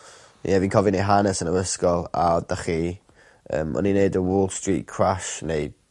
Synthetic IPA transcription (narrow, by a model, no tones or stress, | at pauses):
jɛvinkʰɔvineɦanɛsənəəskɔlˠa̰daχi | ə̰ːmɔ̰nineɨdəwɔːlˠstriːʔkʰraʃneɨd̥